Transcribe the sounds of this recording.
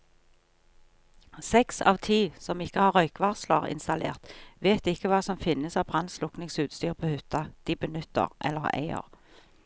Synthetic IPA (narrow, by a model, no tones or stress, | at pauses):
sɛksɑ̰ːʋt̪ʰiːsɔmɪkːəhɑːʁœʏkʋɑʁslɑ̰ʁɪ̰nst̪ɑlḛːʁt̪ʋeːt̪ɪkːəʋɑːsɔmfɪnəsɑːʋbʁɑnslʊknɪŋsʉːt̪st̪yːʁpʰoːhʉt̪ɑd̪̥iːbənʉt̪ːə̰ʁʔɛ̰lːəʁæ̰ɪə̰ʁ